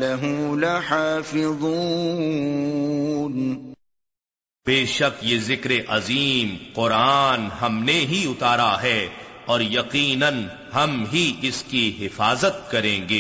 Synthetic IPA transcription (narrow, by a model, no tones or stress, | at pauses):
lɐɦʊlaħaːfɪðˤuː | n | beːʃɐqjeːzɪkɾeʔɐziːmqʊɾaːnɦɐmneɦiʊt̪aːɾaɦɛːɔːɾjɐqiːnən | ɦɐmɦiɪskiɦɪfaːzət̪̚kɐɾẽːɡeː